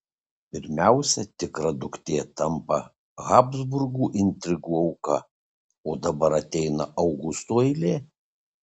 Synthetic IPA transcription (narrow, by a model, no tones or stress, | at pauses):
pʲɪɾʲmʲæˑʊsʲɛt̪ʲɪkɾɐd̪ʊkt̪ʲeːt̪ɐmpɐ | ɣɑːbzbʊɾɡuːʔɪnʲt̪ʲɾʲɪɡuːɒʊkɐ | oːd̪ɐbɐɾɐt̪ʲɛɪnɐʔɐʊɡʊst̪oːɪɪlʲeː